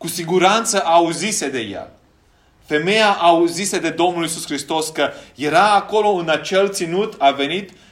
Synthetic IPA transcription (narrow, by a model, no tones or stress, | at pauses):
kusiɡuɾant̪səʔauzised̪e̞ja̰ | fe̞me̞jaʔauzised̪e̞d̪o̞mnulisuskɾist̪o̞skəje̞ɾaːko̞lo̞ɨnat͡ʃe̞lt̪sinut̪ave̞nit̪